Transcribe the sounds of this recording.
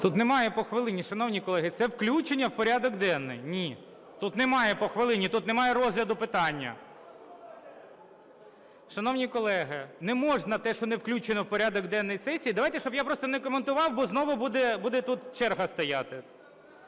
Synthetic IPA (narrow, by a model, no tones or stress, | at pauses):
t̪ut̪nemɑjɛpɔxʋɪlˠɪnʲiʃɐnɔwnʲikɔlˠɛɦɪt̪sɛwklʲut͡ʃenʲːɐwpɔɾʲad̪ɔkd̪ɛnːɪ̰jnʲi | t̪ut̪nɛmɑjɛpɔxʋɪlˠɪnʲit̪ut̪nemɑjɛɾɔzɦlʲɐd̪ʊpɪt̪ɑnʲːɐ̰ | ʃɐnɔwnʲikɔlˠɛɦɪnɛmɔʒnɐt̪ɛʃɔnewklʲut͡ʃenɔwpɔɾʲad̪ɔɡd̪ɛnːɔjsɛsʲiːd̪ɐʋɑjt̪ɛʃt͡ʃɔbjapɾɔst̪ɔnɛkɔment̪ʊʋɑwbɔznɔʋʊbud̪ɛbud̪ɛt̪ut̪t͡ʃɛrɦɐst̪ɔjɑt̪ɪ